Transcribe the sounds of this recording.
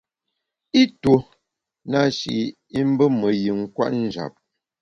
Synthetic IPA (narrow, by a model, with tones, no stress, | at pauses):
i˦to˨ | na˦ʃḭ˨ | i˦m̩˦bə˦mə˨ji˨ŋ̩˦kwa̰˦ʔn̩˦˨d͡ʒa̰˨p̚